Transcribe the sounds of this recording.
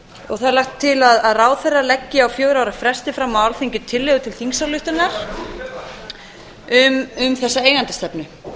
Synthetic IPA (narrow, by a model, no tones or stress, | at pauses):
ɔ̰ɣθaðɛɾlajht̪ʰːɪlaðaðraːwθɛrːalɛcːɪawfjœːɣɾaːwɾafɾɛst̪ɪfɾaːmːawalθiɲcʏt̪ʰɪlːɛɣʏt̪ʰɪlθiŋsalʏht̪ʏnːaɾ̥ | ʏmʏmθɛsːaeːjɣant̪ɪ̥st̪ɛpnʏ